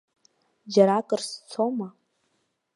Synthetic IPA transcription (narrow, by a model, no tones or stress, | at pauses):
d͡ʒaɾakʼɨrst͡sʰoma